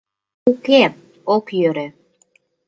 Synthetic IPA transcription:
ukep̚ | okjøɾe

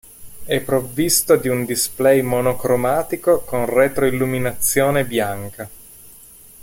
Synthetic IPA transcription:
ɛpːɾovːist̪od̪iund̪isplɛjmonokɾomaːt̪ikokonrɛt̪ɾoilːuminat̪sːjoːnebjaŋka

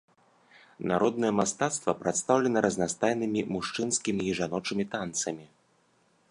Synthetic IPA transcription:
naɾɔd̪nɐjɛmast̪at̪st̪vɐpɾat̪st̪awlʲɛnɐɾʔɐznast̪ajnɨmʲimuʂt͡ʂɨnskʲimʲiːʐanɔt͡ʂɨmʲit̪ant̪sɐmʲi

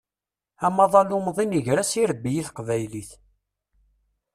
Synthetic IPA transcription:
æmɑðˤɑlumðˤinəʝɾæsiɾbːijiθqvæjliθ

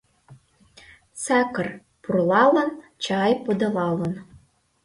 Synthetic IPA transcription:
sɑkɤr | purlɑlɤ̆nt͡ɕɑjpod̪ɤ̆lɑlɤ̆n

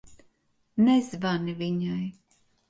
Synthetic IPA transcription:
nɛzvaniviɲaj

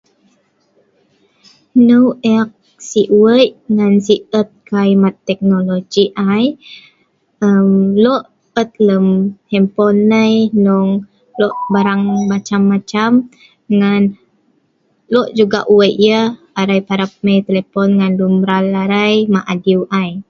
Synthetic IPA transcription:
nəwɛk̚ | siʔuəjʔŋansiət̪̚kaimat̪ːɛk̚nolod͡ʒiʔaj | əmlɔʔ | ət̪̚ləmhɛmpɔnːəjnɔŋ | lɔʔbaɾaŋmat͡ʃamːat͡ʃam | ŋan | lɔʔd͡ʒuɡaʔuwəjʔjə | aɾajpaɾap̚məjt̪elepɔnŋanlumɾalaɾajmaʔadiwʔaj

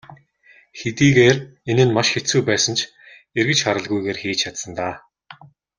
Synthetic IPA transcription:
xet̪iːɣeːrenɘ̆nmaʃxet͡sujpæːsə̆nt͡ɕʰ | erɣɘ̆t͡ɕχaɾə̆ɮɣujɣeːrxiːt͡ɕt͡ɕʰat̪sə̆nt̪aː

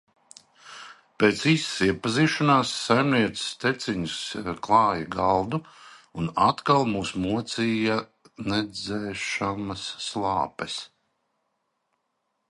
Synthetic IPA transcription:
peːt̪sissiɛpaziːʃanaːsːajmniɛt̪sst̪et̪siɲusklˠɑːjaɡalˠd̪u | una̰t̪kalˠmuːsmuɔt̪siːja | nɛd̪zɛːʃamɐsːlˠɑːpɛs

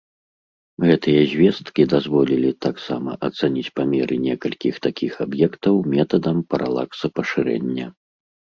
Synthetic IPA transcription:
ɣɛt̪ɨjɐzʲvʲɛst̪kʲid̪azvɔlʲilʲit̪aksamɐ̰ʔɐt̪sanʲit͡sʲpamʲɛɾʔɨnʲɛkɐlʲkʲixt̪akʲʰixabjɛkt̪ɐwmʲɛt̪ɐd̪ɐmpɐɾʔa̰lˠa̰ksɐpɐʂɨɾɛ̰nʲːɐ

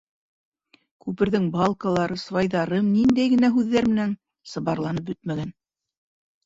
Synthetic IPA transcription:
kʉpɘ̆ɾðɘŋbɑlˠkɑlˠɑɾɤsvɑjðɑɾɤmnind̪æjɡɘ̆næɦʉðːæɾmɘ̆næn | sɤ̆βɑɾlˠɑnɤp̬̚bɵt̪mæɡæn

